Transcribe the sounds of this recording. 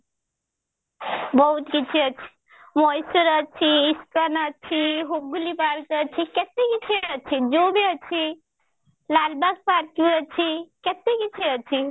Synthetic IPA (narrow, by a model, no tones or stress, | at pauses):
bəɦut̪kit͡ʃʰiət͡ʃʰi̥ | mɔjsuɾət͡ʃʰiːst̪anət͡ʃʰiɦoɡulipalk̪ət͡ʃʰiket̪ekit͡ʃʰiət͡ʃʰid͡ʒobʱiət͡ʃʰi | lalbak̚paɾkuɾət͡ʃʰiket̪ekit͡ʃʰiət͡ʃʰi